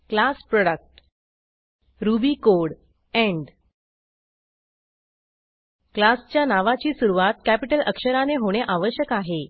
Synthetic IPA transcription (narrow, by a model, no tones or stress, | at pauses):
klaspɾɔɽək̚ʈ | ɾubiːkoɽ | ɛ̃ɳɖ | klast͡ɕjanaʋat͡ɕiːsuɾuʋat̪̚kæpiʈəlʔəkʂəɾaneɦoɽ̃eʔaʋəɕjəkaɦe